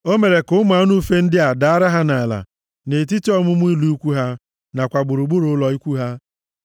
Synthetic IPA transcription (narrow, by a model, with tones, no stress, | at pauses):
o˦me˨ɾe˨kʊ˦m˦a˨˦nu˦fe˦n̩˦dɪ˦a˨da˨a˦ɾa˦ɦa˦na˨la̰˨ | ne˨t̬i˦ti˦ɔ˦mʊ˦mʊ˦i˦lu˦u˦kʷu˦ɦa˦ | na˨kʷa˨ɡ͡bʊ˨ɾu˨ɡ͡bu˦ɾʊ˦lɔ˨i˦kʷu˦ɦa˦